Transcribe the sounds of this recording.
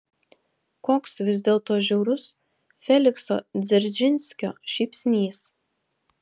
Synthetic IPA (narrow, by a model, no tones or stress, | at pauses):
koːksʋʲɪzʲd̪ʲeːlˠt̪oːʒʲɛʊɾʊs | fʲɛlʲɪkso̰ːd̪zʲɛɾʲd͡ʒʲɪnʲsʲkʲo̰ːʃʲɛːpʲsʲnʲiːs